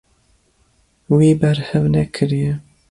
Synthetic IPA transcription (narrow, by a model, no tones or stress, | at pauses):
wiːbɛɾhɛvnɛkʰɨɾijɛ